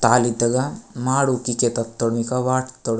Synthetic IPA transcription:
t̪aːlid̪ɐɡɐmaːɽukit͡ʃet̪ɐt̪ːoɽmikɐʋaːʈt̪ːoɽ

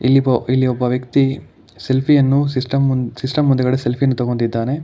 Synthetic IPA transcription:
ilːibɐilːiɔbːɐʋjɐkt̪i | se̞lpʰijɐnːusisʈɐmsisʈɐmːund̪ɐɡɐɽeselpʰijɐnːut̪ɐɡont̪id̪ːaːne̞

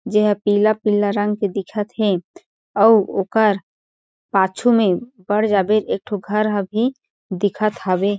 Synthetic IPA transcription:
d͡ʒeɦpiːlapilaɾə̃ŋɡked̪ɪkʰət̪ɦɛ | ɔoːkəɾ | paːt͡ʃʰumebəɽd͡ʒaːbeɾek̚ʈʰoɡʱəɾɦəbʱi | d̪ɪkʰət̪ɦabe

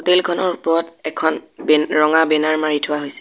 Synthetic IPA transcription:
otelkʰɔnɔɹpʊɔtɛkʰɔnbɹɔŋabɛnaɹmaɹitʰʊwaɦojsɛ̥

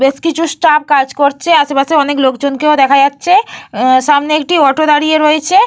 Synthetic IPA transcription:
beskit͡ɕʰusʈap̚kad͡ʑkoɾt͡ɕʰeaʃepaseɔneklokd͡ʑonkeod̪ɛkʰad͡ʑatːɕʰeʃamneek̚ʈiɔʈod̪aɽijeɾoet͡ɕʰe

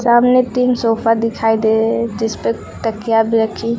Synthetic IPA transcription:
saamnet̪insopʰad̪ɪkʰaid̪ed͡ʒɪspə | ʈ̪əkijabʱiɾəkʰi

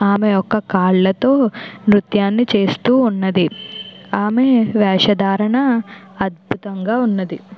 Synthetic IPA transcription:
aːmeɔkːɐkaːɭlɐt̪o̞ːmɾut̪jaːnːit͡ʃe̞ːst̪uːnːɐd̪iaːmeʋɛːʂɐd̪aːɾɐɳɐɐd̪̚bʱut̪ɐŋɡaːunːɐd̪i

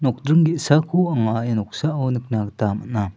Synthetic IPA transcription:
nɔk̚dɾiŋɡiʔsakʰuʔɐŋajanɔk̚saʔɔwnik̚naktamaʔna

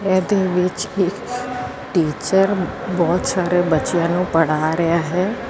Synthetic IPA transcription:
ɛːd̪eːʋɪt͡ʃɪk | ʈiːt͡ʃəɾbɔːt̪saːɾeːbətːt͡ʃijãːnũːpəɽaːɾəjaːɦɛː

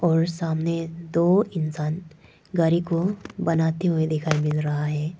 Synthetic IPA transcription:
ɔːɾsaːmned̪oːɪnsaːn | ɡaɾikobɐnaːt̪eɦued̪ɪkʰaːimɪlɾɐɦaɦɛː

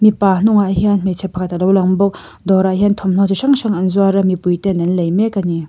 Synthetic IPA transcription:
mipanɔŋaaɦjanmet͡ʃʰepʰakat̪alawlaŋbɔk̚ | dɔɾaaɦjantʰɔmnɔzusaŋsaŋanzuaɾɐmipujtenanlɐjmekani

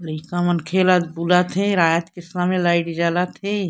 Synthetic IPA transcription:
liːkamənkʰeːlad̪̚buːlat̪ʰẽɾaːjət̪kɪsmamẽlaːɪʈd͡ʒaːlat̪ʰe

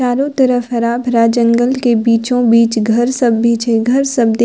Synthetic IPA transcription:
aːɾõt̪ɐɾəfɦɐɾaːbʱɾaːd͡ʒə̃ŋɡəlkebiːt͡ʃõbiːt͡ʃɡʱɐɾsɐbːiːt͡ʃeɡʱɐɾsɐbd̪

